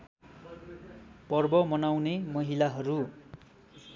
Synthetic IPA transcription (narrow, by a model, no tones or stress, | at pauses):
pʌrbʌmʌnawnemʌɦilaɦʌɾu